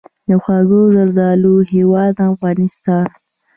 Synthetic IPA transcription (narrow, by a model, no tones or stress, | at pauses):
d̪əxwɑɡozaɾd̪ɑluɦewɑd̪afɣɑnɪst̪ɑn